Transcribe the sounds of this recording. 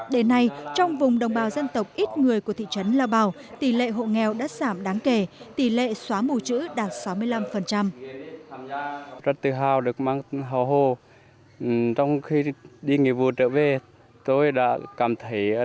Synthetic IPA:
ɗe˨˦nːa˧jt͡ɕɔ˧wŋ͡mvʊ˨˩ŋ͡mɗə˨˩wŋ͡mɓaː˨˩wzə˧nt̪ə˨˩wk͡p̚ʔi˦˥t̚ŋɨ˨˩əjku˧˩t̪ʰḭ˧˨t͡ɕə˨˦nlaː˧wɓaː˧˩w | t̪i˧˩lḛ˧˨ɦo̰˧˨ŋɛ˨˩wɗa̰ː˧˥z̥aː˧˩mɗaː˨˦ŋke˧˩t̪i˧˩lḛ˧˨swaː˨˦mu˧˩t͡ɕɨ̰˧˥ɗaː˨˩t̚sa˨˦wmɨ˧əjla˧mfə˨˩nt͡ɕa˧m | za˧˩n̚t̪ɨ˨˩ɦaː˧˩wɗɨ˨˩ək̚maː˧ŋɦɔ˧˩wɦo˧˩ | t͡ɕɔ˧wŋ͡mxi˧ɗi˧ŋi˨˩vu˨˩t͡ɕəː˧˥ve˨˩ | t̪o˧jɗa̰ː˧˥kaː˨˩mt̪ʰə˨˦j

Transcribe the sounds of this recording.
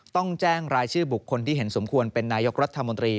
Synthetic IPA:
t̪ɔ˥˩ŋt͡ɕɛː˥˩ŋɾaː˧jt͡ɕʰɯː˥˩bu˨˩kʰːo˧nt̪ʰiː˥˩ɦe˩˦nso˩˦mkʰu˧ənpe˧nːaː˧jo˦˥k̚ɾa˥t̪ʰːa˧mo˧nt̪ɾiː˧

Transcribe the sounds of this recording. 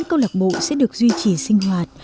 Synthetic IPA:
ŋkə˧wla˨˩ɓo̰˧˨sɛ̰˧˥ɗɨ˨˩ək̚zwi˧t͡ɕi˨˩sï˧ŋ̟ɦwaː˨˩t̚

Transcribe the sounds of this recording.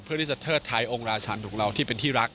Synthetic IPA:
pʰɯ˥˩i˥˩t͡ɕa˨˩t̪ʰɤː˥˩t̪ʰːa˧˥jʔo˧ŋɾaː˧t͡ɕʰaː˧nt̪uː˨˩˦k̚ɾa˧wt̪ʰiː˥˩pe˧nt̪ʰiː˥˩ɾa˦˥k̚

